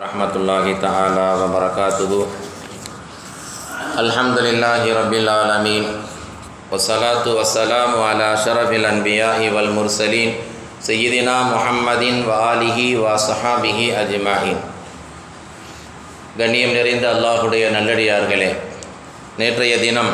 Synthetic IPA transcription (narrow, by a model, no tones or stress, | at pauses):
ɐhmɐt̪ulːaːɦit̪ɐʕaːlaːʋɐbɐɾɐkaːt̪uɦu | ɐlħɐmd̪ulilːaːɦiɾɐbːilʕaːlɐmiːn | ʋɐsːɐlaːt̪uʋɐsːɐlaːmuʕalaːʃɐɾɐfilɐnbijaːʔiʋɐlmʊɾsɐliːn | sɐjːid̪inaːmʊħɐmːɐd̪inʋɐaːliɦiʋɐsħaːbiɦiɐd͡ʒmaʕiːn | ɡɐɳːijɐmneɾind̪ɐːlːaːɦuɽɐjɐnɐlːɐɽijaːɾɡɐɭeː | neːʈɾɐjɐd̪inɐm